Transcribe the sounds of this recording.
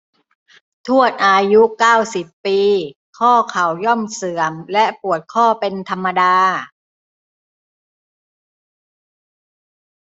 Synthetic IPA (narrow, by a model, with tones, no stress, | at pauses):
t̪ʰu˥˩ən̚ʔaː˧ju˦˥ʔkaː˥˩wsi˨˩pːiː˧ | kʰɔː˥˩kʰa˨˩˦wjɔ˥˩msɯ˨˩˦əmlɛ˦˥ʔpu˨˩ət̪̚kʰɔː˥˩pe˧nt̪ʰa˧mːa˧daː˧